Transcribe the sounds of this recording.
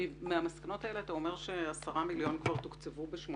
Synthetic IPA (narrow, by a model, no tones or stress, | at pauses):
meamaskanotaele̞at̪ao̞me̞ʁʃe̞asaʁamiljo̞nkvaʁt̪ukt͡sevubeʃmo